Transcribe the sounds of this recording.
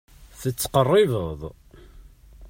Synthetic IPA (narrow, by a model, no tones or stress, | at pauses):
θət͡sːə̥qərˤːɪvəðˤ